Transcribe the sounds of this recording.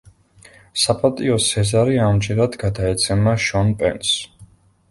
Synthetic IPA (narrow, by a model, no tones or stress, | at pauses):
sapʰʼat̪ʼiɔsʰɛzaɾiamd͡ʒɛɾad̪ɡad̪aɛt̪sʰɛmaʃɔnpʼɛ̰ns